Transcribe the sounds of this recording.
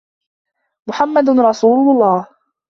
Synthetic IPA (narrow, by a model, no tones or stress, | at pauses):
mʊħamːad̪ɾˤɑsuːllˤːɑːh